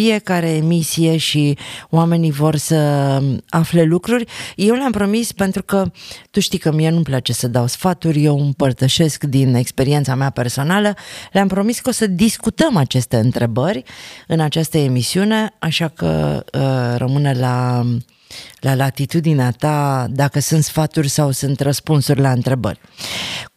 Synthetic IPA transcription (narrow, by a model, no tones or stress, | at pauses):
fije̞kaɾe̞ːmisije̞ʃioame̞nivo̞rsə | afle̞lukɾurʲje̞wleampɾo̞mispe̞nt̪ɾukət̪uʃt̪ikəmijenuplat͡ʃe̞səd̪awsfat̪urʲje̞wɨmpərt̪əʃe̞skd̪ine̞kspe̞ɾie̞nt̪sameape̞rso̞naləleampɾo̞miskosəd̪iskut̪əmat͡ʃe̞st̪e̞ɨnt̪ɾe̞bərʲɨnat͡ʃast̪əe̞misiune̞aʃakə̰ | ɾəmɨnela | lalat̪it̪ud̪ineat̪ad̪akəsɨnt̪sfat̪urʲsawsɨnt̪rəspunsurʲlaɨnt̪ɾe̞bə̰rʲ